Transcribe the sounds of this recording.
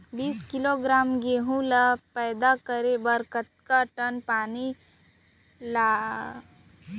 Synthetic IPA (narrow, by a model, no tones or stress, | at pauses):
biːskɪloɡɾaːmɡeːɦũlapɛːd̪akəɾebɐɾkət̪̚kaʈənpaːni | laː